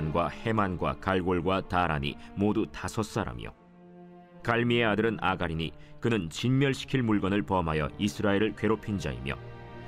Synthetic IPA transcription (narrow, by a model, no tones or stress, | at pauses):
nɡwahe̞manɡwa̰kaɭɡoɭɡwataɾa̰ɲḭmodutasʰʌs͈aɾa̰mjo̰ | kaɭmie̞adɯɾɯna̰ɡaɾiɲikɯnɯnt͡ɕinmjʌɭɕʰi̥kʰiɭmuɭɡʌnɯɭpʌmɦajʌ̰isʰɯɾaeɾɯɭkwe̞ɾopʰind͡ʑa̰ḭmjʌ̰